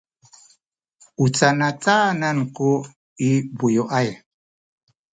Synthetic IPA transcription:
ut͡sanat͡sʼananku | ibujoʔaj

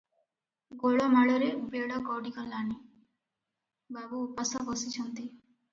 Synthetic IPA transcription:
ɡoɭɔmaɭɔɾebeɽɔkɔɽikɔlːani | babuːpasɔbɔsit͡ʃʰɔnt̪i

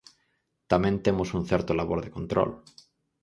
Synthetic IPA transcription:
t̪amẽnt̪emosun̟θeɾt̪olaβoɾðekont̪ɾo̰l

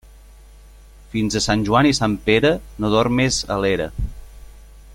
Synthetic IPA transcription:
finzəsanʲʒuanisampeɾənoðɔrmezə̰leɾə̰

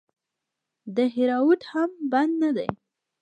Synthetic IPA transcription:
d̪əɦɪɾɑwut̪hamband̪nad̪ḛj

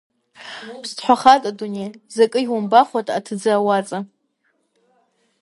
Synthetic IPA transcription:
pʰstʰħʷaχatʼadunejzakʼɨiwambaχʷatʼatʰɨd͡zaːwat͡sʼa

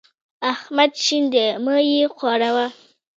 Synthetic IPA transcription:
ahmad̪ʃind̪əməjexwɑɽawa

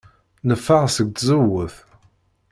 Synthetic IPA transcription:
nəfːaʁsəɡ̚t̪zəwːəθ

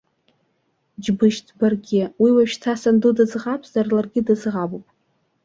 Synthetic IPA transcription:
d͡ʒbɨʃtʰbarɡʲɪwiwaʃᶣtʰasandudɨzʁapʰz̥arlarɡʲɪdɨzʁabupʼ

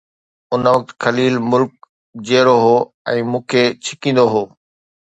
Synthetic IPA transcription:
ʊnəʋɐk̚t̪kʰɐliːlmʊlk̚ | d͡ʑeːɾoɦoː | ɛ̃ːmũːkʰet͡ɕʰɪkĩːn̆d̪oɦoː

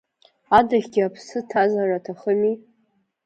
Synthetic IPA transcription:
adaχʲɡʲɪapʰsɨtʰazaratʰaχəmi

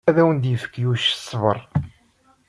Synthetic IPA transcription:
æðæwənd̪jəfə̥kːjuʃə̥sˤːvə̰ɾˤ

